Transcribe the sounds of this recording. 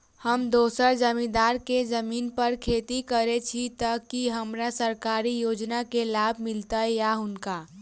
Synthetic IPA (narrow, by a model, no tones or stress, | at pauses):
həmd̪oːsəɾd͡ʒəmid̪aɾked͡ʒəminpəɾkʰet̪ikəɾet͡ʃʰit̪əkiɦəmɾasəɾkaɾijod͡ʒnakelabʱmilt̪əjaɦʊnka